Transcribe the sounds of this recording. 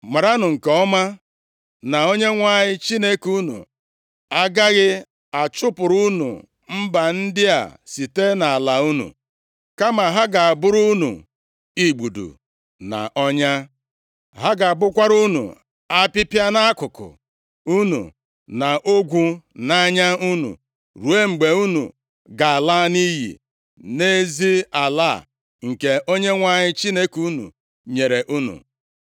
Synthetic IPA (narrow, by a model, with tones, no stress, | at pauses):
ma˨ɾa˦nʊ˨ŋ̩˨ke˨ɔ˦ma˦ | na˨o˦ɲe˦ŋʷa˦˨ɲɪ˦t͡ʃi˦ne˦ku˦nṵ˨ | a˦ɡa˦ɣɪ˦ | a˨t͡ʃʊ˦pʊ˨ɾu˦nṵ˨ | m̩˦ba˨n̩˦dɪ˦a̰˨si˨te˦na˨a˨la˨u˦nṵ˨ | ka˦ma˨ɦa˦ɡa˨a˨bʊ˦ɾu˦nṵ˨ | i˨ɡ͡bu˨dṵ˨ | na̰˨ʔɔ˦ɲa˦ | ɦa˦ɡa˨a˨bʊ˦kʷa˦ɾu˦nṵ˨ | a˦pi˦pja˦na˦kʊ˨kʊ̰˨ | u˦nṵ˨ | na˨ʔo˦ɡʷu˦na˦ɲa˦u˦nṵ˨ | ɾu˨e˦ŋ͡m̩˨ɡ͡be˨u˦nṵ˨ | ɡa˨a˨la˦ni˦ɦḭ˨ | ne˦zi˦a˨la˦˨ | ŋ̩˨ke˨ʔo˦ɲe˦ŋʷa˨ɲɪ˦t͡ʃi˦ne˦ku˦nṵ˨ | ɲe˨ɾe˨ʔu˦nṵ˨